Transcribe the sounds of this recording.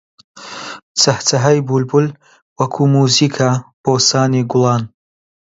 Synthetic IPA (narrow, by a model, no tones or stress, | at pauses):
t͡sɐhtʰɐɦɐjbulbʊl | wɐkʰuːmuːziːkʰab̥oːsaːniɡʊlˠɑːn